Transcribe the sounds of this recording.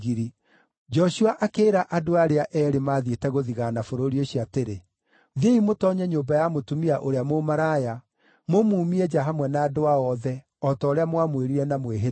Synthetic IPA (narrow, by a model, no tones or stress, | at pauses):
ɣiɾi | d͡ʒɔʃuaʔakeːɾaʔadoaɾeaʔɛːɾemaːðietɛɣoðiɣanafoɾoɾioɕiateɾe | ðeimotɔɲɛɲoːbajamotumiaʔoɾeamomaɾaːja | momuːmiɛd͡ʒaɦamwɛnaːdoaɔðɛ | ɔtɔːɾeamwamweɾiɾɛnamweɦe